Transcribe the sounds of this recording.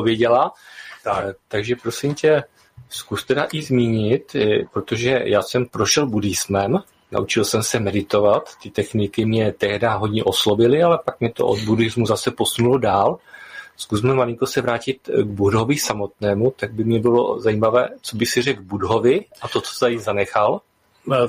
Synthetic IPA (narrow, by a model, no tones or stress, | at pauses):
ovjɛɟɛla | t̪aɡʒɛpɾo̞sɪmcɛ | skust̪ɛdaʔɪzmiːɲɪt̪pɾo̞t̪o̞ʒɛjaːsɛmpɾo̞ʃɛlbudɪzmɛm | na̰ʔut͡ʃɪlsɛmsɛmɛdɪt̪o̞vat̪ːɪt̪ɛxnɪkɪmɲɛt̪ɛɦdaɦo̞dɲɛʔo̞slo̞bɪlɪalɛpak̚mɲɛt̪o̞̰ʔod̪̚budɪzmuzasɛpo̞sunulodaːlskusmɛmalɪŋko̞sɛvɾaːcɪt̪ɡbudɦo̞vɪsamo̞t̪nɛːmut̪aɡ̚bɪmɲɛbɪlo̞̰zaiːmavɛ̰ːt͡so̞bɪsɪrɛɡbudɦo̞vɪʔat̪o̞t͡so̥zajizanɛxal